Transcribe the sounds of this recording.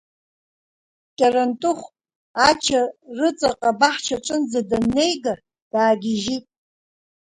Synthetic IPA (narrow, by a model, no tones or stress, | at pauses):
kʲʼarantʼʊχʷ | at͡ʃʰarɨt͡sʼaqʼabaħt͡ʃʰaʈ͡ʂʼɨnd͡zadanːe̞jɡa | d̥aːɡʲɪʒitʼ